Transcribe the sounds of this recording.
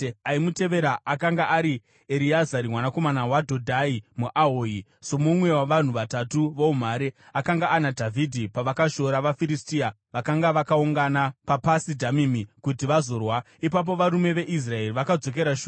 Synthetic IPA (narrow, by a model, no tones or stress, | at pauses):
aimute̞ʋe̞ɾaʔakaŋɡaʔaɾi | eɾiazaɾimwanako̞manawadʱodʱaimuʔaɦoːi | so̞mumwe̞waʋan̤uʋatatuʋoum̤aɾe | akaŋɡaʔːnadʱavʱidʱipaʋakaʃo̞ɾaʋafiɾistia | ʋakaŋɡaʋakauŋɡanapapasidʱamimikut̬iʋazo̞rwa | ipap̬o̞ʋaɾume̞ʋe̞ʔis̬rae̞riʋakad͡zo̞k̬e̞ɾaʃu